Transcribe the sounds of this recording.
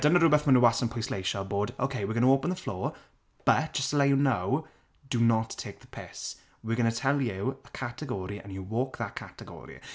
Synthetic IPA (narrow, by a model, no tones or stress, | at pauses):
d̥ənəɾubɛθmənəwasə̃npʰɔslejʃɔboːdo̰kʰeɪwɪɡʌnəoːpə̃nðəflɔː | b̥ət̚d̥ʒ̥əstəlejunaw | d̥unɔtʰːeːk̚ðəpʰeːs | wɪɡʌnətʰɛlˠjɪəkʰatʰəɡɔːɾiʔə̰̃njuwɔːkðakʰatəɡɔ̰ɾḭ